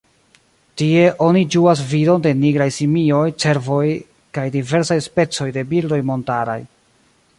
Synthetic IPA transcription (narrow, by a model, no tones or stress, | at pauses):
tie̞ʔo̞nid͡ʒuas̬vido̞nde̞niɡɾajsimio̞jt͡se̞ɾvo̞j | kajdive̞ɾsajspe̞t͡so̞jde̞bildo̞jmo̞ntaɾa̰j